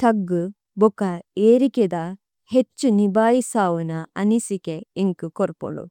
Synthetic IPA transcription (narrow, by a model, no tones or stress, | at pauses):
t̪ɐɡːu | bɔkɐeːɾiked̪ɐ | het͡ʃːunibaːjisaːʋunɐɐnisikeeŋkukoɾpo̰ɳṵ